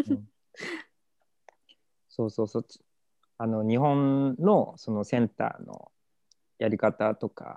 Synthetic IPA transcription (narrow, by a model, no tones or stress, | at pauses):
ɯ̃ɴ | so̞ːso̞ːso̥ː | ano̞ɲ̟iɦõ̞nːo̞so̞no̞sẽ̞nt̪a̰ːno̰ | jaɾʲikat̪at̪o̞ka̰